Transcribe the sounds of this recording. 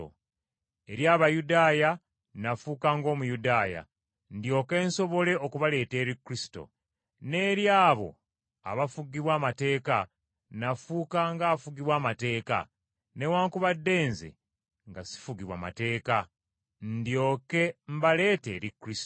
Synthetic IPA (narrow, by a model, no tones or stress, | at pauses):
o̰ | e̞ɾjaːβajudaːja | nafuːkaːŋɡo̞ːmujudaːja̰ | ndjo̞ːke̞ːnso̞βo̞le̞okuβale̞ːte̞ːɾikːɾisi̥to̞̰ | ne̞ːɾjaːβo̞̰ | a̰βafuɡiβwaːmate̞ːka | nafuːkaːŋɡaːfuɡiβwaːmate̞ːka̰ | ne̞waːŋkuβadːe̞ːnzḛ | ŋɡasi̥fuɡiβwa̰ma̰te̞ːka | ndjo̞ːke̞m̩bale̞ːte̞̰ːɾikːɾis